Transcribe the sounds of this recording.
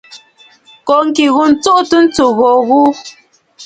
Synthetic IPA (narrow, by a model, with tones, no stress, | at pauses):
kɔ˨ŋ̩˦ki˨ɣu˨n̩˨˦t͡su˦ʔtə˦n̩˦tu˨ɣɔ˨ɣu˦